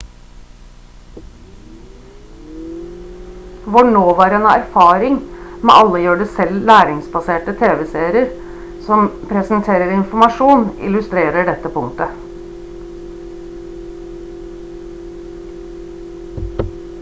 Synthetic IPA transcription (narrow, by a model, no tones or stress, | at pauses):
ʋɑɳoːʋæːɾeːnæ̰ɾfɑːɾɪŋmɛ̰ːʔɑlːəjøːɖʉːsɛlːæːɾɪŋsbɑseːʈət̪ʰeːʋɛseːɾɪəɾ | sɔmpʰɾɛsənt̪ʰeːɾəɾɪnfɔmɑʂuːnɪ̰lʉst̪ɾeːɾəɖɛt̪ːəpʊŋt̪ə